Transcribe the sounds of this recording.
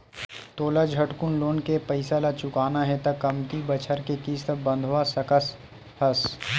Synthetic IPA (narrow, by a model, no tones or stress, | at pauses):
t̪oːlad͡ʒʱɐʈkʊnloːnkepɐɪsalat͡ʃʊkaːnaɦɛt̪ɐkɐmt̪ibɐt͡ʃʰəɾkekiːst̪əbɐ̃nd̪ʱʋasɐkəs | hɐs